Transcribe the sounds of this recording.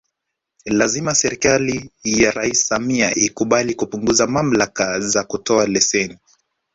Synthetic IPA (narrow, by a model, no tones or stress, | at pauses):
lazimasɛɾikalijaɾaissamiaʔikuɓalikupuŋɡuzamam̩lakazakutɔalɛsɛni